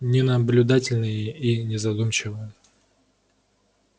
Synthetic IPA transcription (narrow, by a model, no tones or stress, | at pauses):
nʲɪnəblʲʊd̪atʲɪlʲnɨjəinʲɪzɐd̪umt͡ɕɪvɨjə